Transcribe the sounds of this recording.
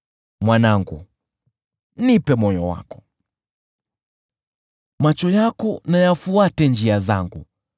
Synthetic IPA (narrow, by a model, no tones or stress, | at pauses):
mwanaŋɡṵ | nipɛmɔjɔwa̰kɔ̥ | mat͡ʃɔjakɔnajafuatɛnd͡ʒiaza̰ŋɡu